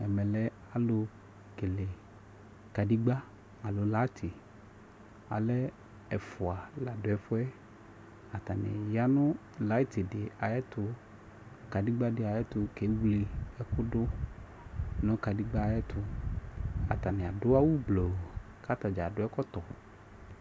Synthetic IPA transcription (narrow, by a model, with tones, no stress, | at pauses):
ɛ˨mɛ̃˨lɛ˨˦ | a˨lo˨ | ke˨le˨ | ka˨di˦ɡ͡ba˦ | a˨lo˨la˦t̪ʰi˨ | a̰˨lɛ˦ | ɛ˨fʊ˨a˨la˨dʊ˨˦ɛ˦fʊ˦ɛ˦ | a˨t̪a˨nɪ̰˨ja˦nʊ̃˦ | la˦t̪i˨dɪ˨a˨jɛ˦t̪ʊ˦ | ka˨di˦ɡ͡ba˦dɪ˨a˨jɛ˦t̪ʊ˨˧ke˨˦wli˨ɛ˦kʊ˦dʊ˦ | nɔ̃˦ka˨di˦ɡ͡ba˦a˨jɛ˦t̪ʊ˦ | a̰˨t̪a˨nɪ̃˨a˨dʊ˦a˦wu˦blo˨ | ka˦t̪a˨d͡ʒa˨dʊ˦ɛ˦kɔ˦t̪ɔ˨